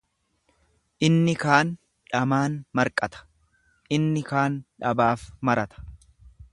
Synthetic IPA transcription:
ʔɪnːɪkaːn | ᶑɐmaːnmɐɾkʼɐt̪ɐ̥ | ʔɪnːɪkaːnᶑɐbaːfmɐɾɐt̪ɐ̥

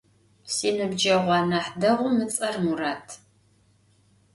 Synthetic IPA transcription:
siːnɨbd͡ʒɐʁʷɑːnɐħdɐʁʷʊmɨt͡sʼɐrmuraːtʰ

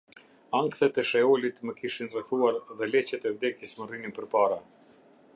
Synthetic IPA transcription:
aŋkθɛt̪ɛʃɛɔlit̪məkiʃinrɛθuaɾðɛlɛt͡ɕɛt̪ɛvd̪ɛkjəsmərininpəɾpaɾa

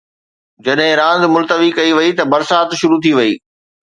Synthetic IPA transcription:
d͡ʑɐɗɦɪ̃ɾãːnzmʊlt̪əʋikɐiʋɐit̪ɐbɐɾsaːt̪ʃʊɾut̪ʰiʋɐḭː

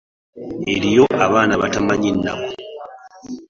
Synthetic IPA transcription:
e̞ɾijo̞ʔaβaːnaβatamaɲinːa̰ko

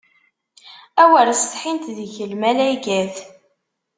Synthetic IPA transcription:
æwəɾst̪ħint̪ðəçəlmælæjɡæθ

